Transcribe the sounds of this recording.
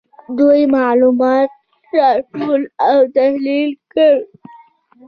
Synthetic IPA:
d̪ojmɑlumɑt̪̚ | ɾɑʈolawt̪ahlilkəɽ

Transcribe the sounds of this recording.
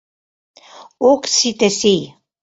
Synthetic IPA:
oksit̪esij

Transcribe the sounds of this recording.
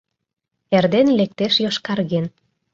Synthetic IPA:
erd̪enlek̚t̪eʃjoʃkɑrɣen

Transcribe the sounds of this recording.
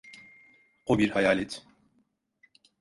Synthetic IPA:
qobiɾhajaːlʲɛt̪ʰ

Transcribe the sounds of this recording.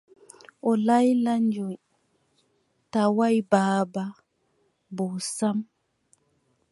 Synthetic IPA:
ʔɔlajlaɲd͡ʒɔj | tawajbaːba | bɔsam

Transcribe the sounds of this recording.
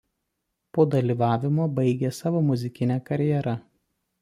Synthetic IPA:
poːd̪ɐlʲiːʋɑːʋʲɪmoːbɐɪɡʲesɑːʋoːmʊzʲɪkʲɪnʲɛːkɐɾʲjɛɾɐ

